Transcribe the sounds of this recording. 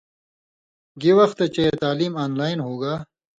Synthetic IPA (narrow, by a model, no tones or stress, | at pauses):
ɡiwɐxt̪et͡ɕɐjet̪aːliːmaːnlaːjnɦoːɡaː